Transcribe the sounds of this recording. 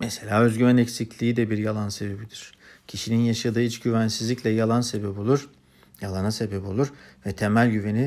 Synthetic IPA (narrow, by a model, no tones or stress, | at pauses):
mɛse̞lʲaːøzɟyɾænecsiclʲiːd̪ɛbiɾjalˠanse̞be̞bid̪iɾ̥cʰiʃininjaʃad̪ɯːit͡ʃɟyvænsizlʲicʲlʲɛjalˠanse̞bɛbo̞lˠuɾ | jalˠanase̞bebo̞lˠuɾvɛt̪ʰe̞mælʲɟyve̞ni